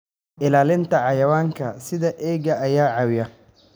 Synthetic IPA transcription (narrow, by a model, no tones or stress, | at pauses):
ʔɪlaːlɪnt̪ʰɐʕɑjɐwaːŋkʰɐsɪðɐʔɛːɣɐːjaːʕɑwɪjɐ